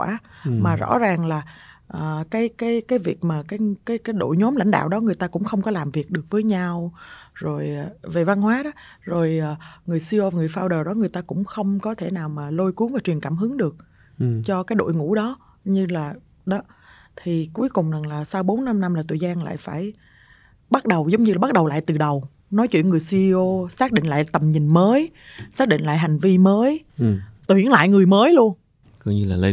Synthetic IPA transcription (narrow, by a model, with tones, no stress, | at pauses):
waː˧˩˦maː˨˩zɔ̰˧˥zaː˨˩ŋlaː˨˩ʔəː˨˩kaː˨˦jkaː˨˦jkaː˨˦jvi˨˩ək̚maː˨˩kaː˨˦jkaː˨˦jkaː˨˦jɗo̰˧˨jɲɔ˨˦mla̰˧˨jŋ̟ɗa̰ː˧˨wɗɔ˨˦ŋɨ˨˩əjt̪aː˧kʊ̰˧˥ŋ͡mxə˧wŋ͡mkɔ˨˦laː˨˩mvi˨˩ək̚ɗɨ˨˩ək̚vəː˨˦jɲa˧wzo˨˩jve˨˩va˧nɦwaː˨˦ɗɔ˨˦zo˨˩jʔəː˨˩ŋɨ˨˩əjsi˧o˧va˨˩ŋɨ˨˩əjfaː˧wɗəː˨˩ɗɔ˨˦ŋɨ˨˩əjt̪aː˧kʊ̰˧˥ŋ͡mxə˧wŋ͡mkɔ˨˦t̪ʰe˧˩naː˨˩wmaː˨˩lo˧jku˨˦əŋvaː˨˩t͡ɕwi˨˩ənkaː˧˩mɦɨ˨˦əŋɗɨ˨˩ək̚ | t͡ɕɔ˧kaː˨˦jɗo̰˧˨jŋṵ˧˥ɗɔ˨˦ | ɲɨ˧laː˨˩ | ɗɔ˨˦ | t̪ʰi˨˩ku˨˦jkʊ˨˩ŋ͡mza˨˩ŋlaː˨˩sa˧wɓo˨˦nna˧mna˧mlaː˨˩t̪ʰə˨˩jzaː˧nla̰ː˧˨jfaː˧˩j | ɓa˦˥t̚ɗə˨˩wzə˨˦wŋ͡mɲɨ˧aː˨˩ɓa˦˥ɗə˨˩wla̰ː˧˨jt̪ɨ˨˩ɗə˨˩w | nɔ˨˦jt͡ɕwḭ˧˨ənŋɨ˨˩əjsi˧i˧ʔo˧saː˦˥k̚ɗḭ˧˨ŋ̟la̰ː˧˨jt̪ə˨˩mɲï˨˩ŋ̟məː˨˦jsaː˦˥k̚ɗḭ˧˨ŋ̟la̰ː˧˨ɦa˨˩ŋ̟vi˧məː˨˦jt̪wḭ˧˩ənla̰ː˧˨jŋɨ˨˩əjməː˨˦jlu˧ən | kɔ˧ɲɨ˧laː˨˩lə˧